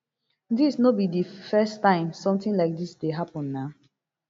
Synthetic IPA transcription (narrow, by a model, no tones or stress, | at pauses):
disnɔbidifɛstãɪ̃msɔ̃mtĩnlaɪk̚disdeɦapɔ̃nːa